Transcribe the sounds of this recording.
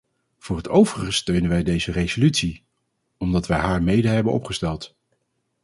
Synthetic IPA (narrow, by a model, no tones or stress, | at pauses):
v̥ʊːɹɦətʰowvərəstøɥnənʋɛjdejzərejzolytsi | ɔmdɑtʋɛjɦaːɹmejdəɦɛbənɔ̰pχəstɛlˠt